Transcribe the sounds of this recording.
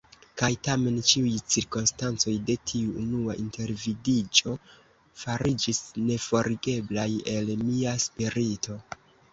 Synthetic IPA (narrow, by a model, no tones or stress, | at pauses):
kajtame̞nt͡ʃiujt͡siɾkonstant͡so̞jde̞tʰiuːnuaʔinte̞ɾvidid͡ʒo̞ | faɾid͡ʒisne̞fo̞ɾiɡe̞blaje̞lmiaspiɾitʰo̞